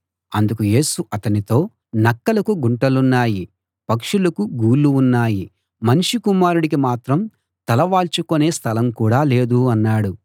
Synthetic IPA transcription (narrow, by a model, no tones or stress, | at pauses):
ɐnd̪ukuje̞ːsuʔɐt̪ɐnit̪o̞ː | nɐkːɐlɐkuɡuɳʈɐlunːaːji | pɐkʂulɐkuɡuːlːuːnːaːji | mɐniʂikumaːɾuɽikimaːt̪ɾɐm | t̪ɐlɐʋaːlt͡ʃukone̞ːst̪ʰɐlɐmkuːɽaːle̞ːd̪uɐnːaːɽu